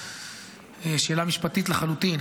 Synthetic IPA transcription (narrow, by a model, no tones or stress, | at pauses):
eʃeːlamiʃpat̪it̪leχalut̪in